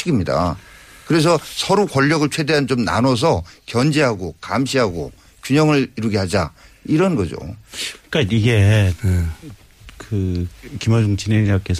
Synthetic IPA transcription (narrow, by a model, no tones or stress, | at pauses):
iɡimɲida̰kɯɾe̞s̬ʰʌsʰʌɾokʌʎːʌɡɯɭt͡ɕʰwe̞de̞ɦant͡ɕomna̰nʌs̬ʰʌkjʌnd͡ʑeɦaɡokamɕ̬ʰiɦaɡo̰ | kjuɲʌŋɯɭiɾuɡe̞had͡ʑa̰iɾʌnɡʌd͡ʑo̰k͈aiɡe | kɯkimʌd͡ʑuŋt͡ɕʰineɲak͈es